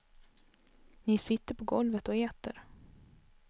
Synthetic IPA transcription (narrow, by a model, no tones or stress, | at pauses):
nɪsɪt̪ːəɾpʰɔɡɔlvət̪ɔeːt̪ə̰ɾ